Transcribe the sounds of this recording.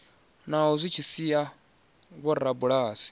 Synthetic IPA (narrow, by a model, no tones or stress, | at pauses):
naɦɔzʷit͡ʃʰisia | βɔɾabuɺaːsi̥